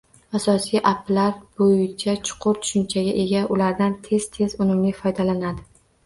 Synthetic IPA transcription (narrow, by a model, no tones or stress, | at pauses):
asɒsijʔapːlaɾbojɪt͡ʃʰat͡ʃʰʊ̥qʰʊɾt̪ʰʊ̥ʃɪnt͡ʃʰaɡʲaʔe̞ɡʲaʔʊlaɾd̪ant̪ʰe̞z̥t̪ʰe̞zʊnʊmlɪfɒjd̪alanad̪ɪ